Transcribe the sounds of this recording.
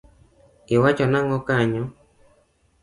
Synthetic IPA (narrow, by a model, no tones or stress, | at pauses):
iwat͡ʃɔnaŋɔkaɲɔ